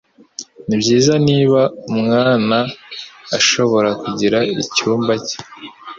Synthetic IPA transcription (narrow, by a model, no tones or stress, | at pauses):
nibɟiːzaniːβaumŋaːnaː | ʃo̞βo̞ɾakuɟiɾaicuːmbace̥